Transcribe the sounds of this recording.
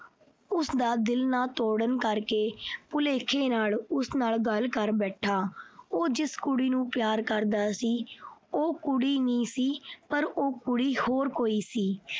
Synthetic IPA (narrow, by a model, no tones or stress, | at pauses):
ʊsd̪aːd̪ɪlnãːt̪oːɽənkəɾkeːpʊleːkʰeːnaːlʊsnaːlɡəlkəɾbɛːʈʰaːoːd͡ʒɪskʊɽiːnũːpjaːɾkəɾd̪aːsiːoːkʊɽiːnĩːsiːpəɾoːkʊɽiːhoːɾkoːiːsiː